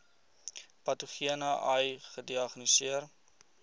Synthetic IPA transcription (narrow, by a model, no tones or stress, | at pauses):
pɐtuχiənɐʔɐjχədiɐχnisiər